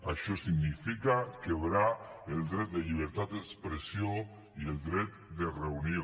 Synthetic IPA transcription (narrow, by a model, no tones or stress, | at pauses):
aʃɔsiɡnifikakeβɾaelˠd̪ɾɛt̪̚d̪eʎiβ̞eɾt̪at̪̚ekspɾesio | ielˠd̪ɾɛt̪̚d̪ereunio